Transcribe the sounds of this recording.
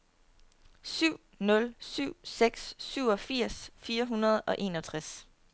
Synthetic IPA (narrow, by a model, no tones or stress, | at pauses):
syʊ̰ | nɔ̽lsyʊ̰seɡ̥sːyʊ̰ɒ̽fiɐ̰sfiːɐɦunɐðˠɒ̽ʔe̝̰ːnɒ̽t͡sʰʁas